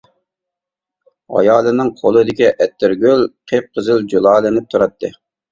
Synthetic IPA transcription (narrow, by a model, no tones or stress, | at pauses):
ɑ̰jɑːlˠɨnɨŋqʰolˠɨd̪ɪkʲiʔɛt̪ːɪɾɡʲølqʰep̚qʰəzɪld͡ʒolˠɑːlˠɪnɪp̚t̪ʰuɾɑt̪ʰːɨ